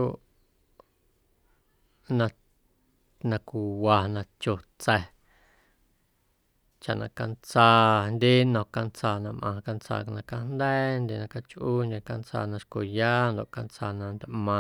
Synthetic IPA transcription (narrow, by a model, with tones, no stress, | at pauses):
o˦ʔ | nã˧ | nã˧ku˨wa˨nã˧t͡ʃo˨t͡sɛ˧˨ | t͡ʃa˨ʔnã̰˧ka˧nt͡saː˧nd̪ʲe˦nɔ̃˧˨ka˧nt͡saː˧˨nã˧mʔã˧ka˧nt͡sa̰˧˨knã˧ka˧nd̪ɛː˦nd̪ʲe˧nã˧ka˧t͡ʃʔuː˦nd̪ʲe˧ka˧nt͡sa̰ː˧˨nã˧ʃko˨jaː˦nd̪o˨ʔka˧nt͡sa̰˧˨nã˧nd̪ʲʔmã˧